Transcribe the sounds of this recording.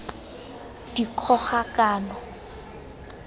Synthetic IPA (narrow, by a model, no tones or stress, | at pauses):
d̥ikʰɔχakaːnɔ